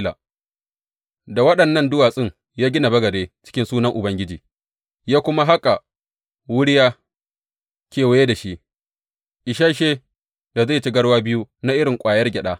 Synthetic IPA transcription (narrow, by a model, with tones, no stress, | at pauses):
la̰˨ | da˨wɐ˦ɗɐ˨nːɐ˦˨ndʊ˦waː˨sʼɪ˦ŋ | jaː˦ɡʲɪ˦na˨bɐ˦ɡɐ˨deː˦t͡ʃɪ̥˦kʲɪ˦nsuː˦nɐ˦ŋʔʊ˨bɐ˦ŋɡʲɪ˦d͡ʒiː˨ | jaː˦kʷʊ˦ma˦ɦa˦kʼa˨ | wʊ˦ɽjaː˦ | kʲeː˨wa˦je˦da˨ʃi˦ʔ | ʔɪ˨ʃaː˦ʃeː˦ | da˨za˦˨t͡ʃɪ˦ɡɐ˦ɽwaː˦bɪ˦ju˦na˦ʔɪ˦ɾɪ˨ŋkʷʼaː˨jɐ˦rɡʲɛ˨ɗaː˦